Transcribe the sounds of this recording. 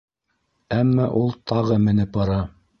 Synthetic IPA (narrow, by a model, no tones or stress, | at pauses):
æmːæʔulˠt̪ʰɑʁɤmɘ̆nɘp̚bɑɾɑ